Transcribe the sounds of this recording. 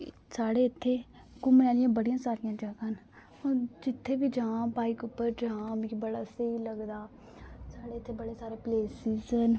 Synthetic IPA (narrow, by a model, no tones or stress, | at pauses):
saːɽeːɪt̪ʰːeː | kʊmnaːlɪjãːbəɽɪjãːsaːɾɪjãːd͡ʒəɡən | od͡ʒɪt̪ʰːeːʋiːd͡ʒãːbaːikʊpːəɾd͡ʒãːmĩkbəɽaːseiləɡd̪aː | saːɽeːɪt̪ʰːeːbəɽeːsaːɾeːpleːsiːzən